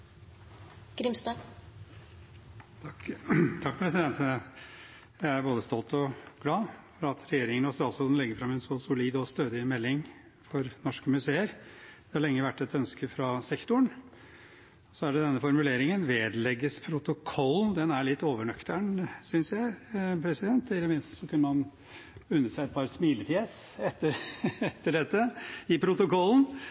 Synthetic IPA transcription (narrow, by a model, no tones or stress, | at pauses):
ɡ̥ɾɪmst̪ɑ | t̪ʰɑkːpʰɾɛsɪd̪ɛnt̪ənə | jæɪæɾboːd̪əst̪ɔlt̪ɔɡ̥lɑːfɔɾɑt̪ʰɾɛjeːɾɪŋənɔst̪ɾɑːlsɔld̪nlɛɡəɾfɾɑmːɛnsɔsʊliːd̪ɔst̪øːd̪ɪmɛlːɪŋ | fɔɾnɔʂkəmʉseːəɾd̪̥ɛhɑɭɛŋːəʋæʈːɛt̪œnskəfɾɑsɛkt̪ʊɳ | ɔsɔæɖɛd̪ɛnːəfɔɾmʉleːɾɪŋənʋeːd̪lɛɡːəspʰɾʊt̪ʊkʰɔlːnd̪ɛnæɭɪt̪ːoːʋəɳœkt̪əɳsʏnsjæɪpʰɾɛsɪd̪ɛnt̪ɪlːəmɪnst̪sɔkʰʉnːəmɑn | ʉnːəsæɪɛt̪̚pʰɑɾsmiːlət̪ʰjɛs | ɛt̪ːəɾɛt̪ːəɖɛt̪ːəɪpʰɾʊt̪ʊkɔln̩